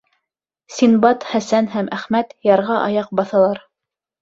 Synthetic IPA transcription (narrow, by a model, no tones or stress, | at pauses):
sʲinbɑt̪χæsænɦæmʔæχmæt̪jɑɾʁɑʔɑ̰jɑq̚bɑθɑlˠɑɾ